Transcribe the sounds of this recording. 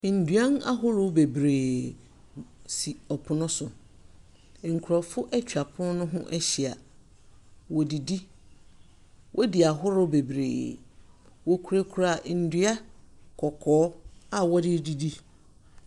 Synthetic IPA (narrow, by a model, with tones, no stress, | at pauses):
n̩˨dɥa˦n˦a̰˦ɦʊ˦ɾʊ˦be˨bɾeː˨ | si˨ɔ˨pʰʊ˦nʊ̃˦sʊ˨ | ŋ̩˨kʰu˨ɾa˨fʊ˦ʔɛ˦t͡ɕʰᶣa˨pʰʊ˦nʊ̃˦nʊ̃˦ɦʊ̰̃˦ʔɛ˦ɕi˨a˨ | wɔ˨di˨di˦ | wʔɔ˦dɪ˨a˨ɦʊ˦ɾʊ˦be˨bɾḛː˨ | wɔ˦kʰɾe˦kʰu˨˦ɾa˦˨n̩˨dɥa˦kʰɔ˨kʰɔː˦a˨wɔ˦dɪ˦di˨di˦